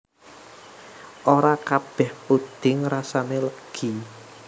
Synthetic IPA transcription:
ʔoɾakab̥ɛ̤hpud̪̥ɪŋɾasaneləɡ̥i

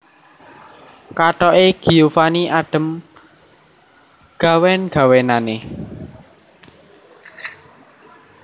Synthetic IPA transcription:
kaʈɔeɡ̥i̤ufaniʔaɖ̥ə̤m | ɡ̥a̤wɛnɡ̥a̤wenane

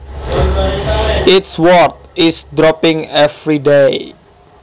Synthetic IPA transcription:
ɪtswɔɹt̪̚ɪsdɾɔpɪ̃ŋɛfɾidej

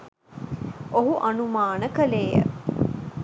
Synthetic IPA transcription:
oɦuʔanumaːnəkəleːjə̰

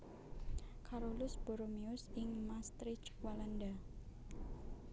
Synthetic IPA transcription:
kʰaɾolʊsb̥oɾomiʊsɪŋmast̪ɾɪt͡ʃwalanda

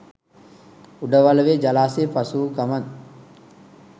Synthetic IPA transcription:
uɖɐʋɐlɐʋeːd͡ʒɐlaːseːpɐsukɐmɐn

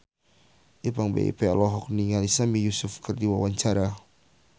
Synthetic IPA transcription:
ʔipaŋbḛḭpɛlɔɦɔk̚niŋaɾisamijusʊfkɨrdiwawaɲt͡ʃaɾa

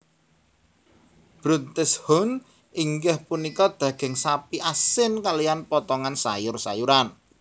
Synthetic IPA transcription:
b̥ɾunt̪ɪshɔn | iŋɡɛhpunikɔd̪̥ä̤ɡ̥ɛ̤ŋsapiʔasɪnkalijanpɔt̪ɔŋansa̰jʊrsa̰juɾan

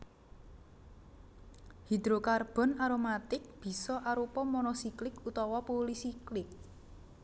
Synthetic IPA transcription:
hid̪ɾokarb̥ɔ̤naɾomat̪ɪk̚b̥i̤sɔʔaɾupɔmɔnɔsiklɪkut̪ɔwɔpolisiklɪk̚

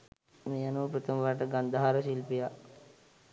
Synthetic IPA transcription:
mejanuʋpɾət̪əmʋaʈ̬əɡand̪aɦaɾəsilpija

